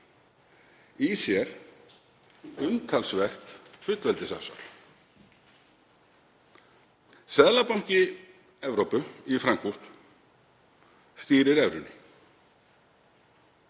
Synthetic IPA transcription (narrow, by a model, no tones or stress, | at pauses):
isjɛɾ̥ | ʏnt̪ʰalsvɛr̥t̪fʏt̪lvɛlt̪ɪsa̰sa̰l | sɛðlapawŋ̥cɪ | ɛvɾowpʏifɾaŋkʰur̥t̪ | st̪iːɾɪɾɛvɾʏnːɪ̰